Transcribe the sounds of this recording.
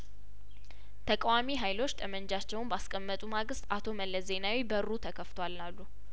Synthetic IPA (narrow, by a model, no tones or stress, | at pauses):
t̪ʰəkʼəwamiɦajlo̞t͡ʃːt̪ʰʼəmənd͡ʒat͡ʃːɛwnbaskʼəmːət̪ʼumaɡɨst̪ʼat̪ʰo̞məlːəze̞nawibəɾːut̪ʰəkʰəft̪ʰowalnalːu